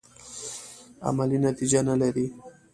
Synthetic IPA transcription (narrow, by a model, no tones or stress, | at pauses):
a̰malinat̪id͡ʒanalaɾi